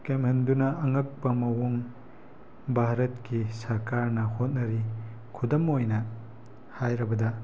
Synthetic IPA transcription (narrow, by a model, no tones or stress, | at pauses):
kemhɐndunɐʔːŋɐk̚pɐmɐwoŋ | bʱaɾɐtkisɐɾkaɾnɐhot̚nɐɾi | kʰudɐmojnɐ | hajɾɐbɐdɐ